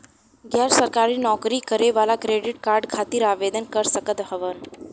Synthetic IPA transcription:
ɡjaɾsəɾkaɾiːnɔkɾikəɾeʋalakɾeɖiʈ̚kaɾɖkʰat̪iːɾaʋed̪ənkəɾsəkət̪ɦəʋən

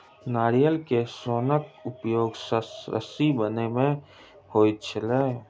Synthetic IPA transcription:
naːɾijəlkesoːnəkʊpjoːɡsəɾə̰sibənemẽ | hoːit̪t͡ʃʰəleː

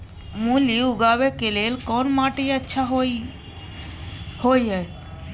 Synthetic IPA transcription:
muliuɡabekelelkɔnmaʈejətːʃʰaɦo | hojɦə

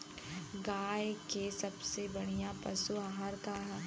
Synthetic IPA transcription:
ɡaːjkesɐbsebɐɽ̃ijapɐsuaːɦaɾkaɦ

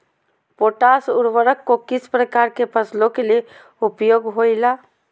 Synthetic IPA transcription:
poʈasuɾʋəɾəkːokisʰpɾəkaɾkepəsʰlokele | upjoɡɦojla

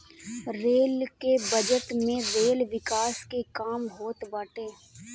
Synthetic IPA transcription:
ɾeːlkebɐd͡ʒəʈmẽɾeːlʋɪkaːskekaːmɦoːt̪baːʈẽː

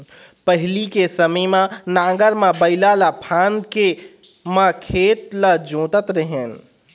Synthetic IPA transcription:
pəɦlikesəməjmãnãːɡəɾmãbəɪlalapʰaːnke | mãkʰeːt̪lad͡ʒõːt̪ət̪ɾəɦen

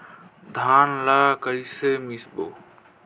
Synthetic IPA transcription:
d̪ʱaːnlaːkəiseːmisbo̰ː

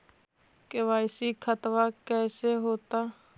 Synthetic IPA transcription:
kɪʋaːɪsikʰət̪ʋakɛːseɦoːt̪aː

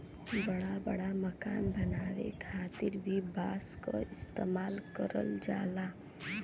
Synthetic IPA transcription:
bəɽabəɽaməkaːnbɐnaːwḛkʰaːt̪ɪɾbʱibaːsko̰ɪst̪eːmaːlkəɾə̰ld͡ʒa̰ːlaː

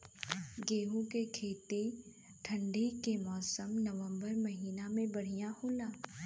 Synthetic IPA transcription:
ɡeːɦũkekʰeːt̪e | ʈʰə̃ɳɖikemɔːsəmnəʋə̃mbəɾmɐɦiːnamẽbɐɽ̤ijahoːlaː

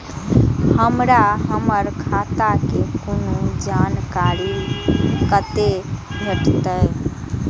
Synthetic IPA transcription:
həmɾaɦəməɾkʰat̪akekonod͡ʒankaɾi | kət̪e | bʱeʈt̪əj

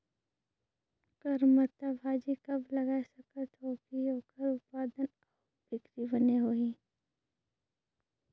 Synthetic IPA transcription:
kəɾmət̪abʱaːd͡ʒikɐblɐɡaːesɐkət̪ɦoːkiɦoːkəɾʊt̪̚paːd̪ən | ɔː | bɪkɾibəneɦoːiː

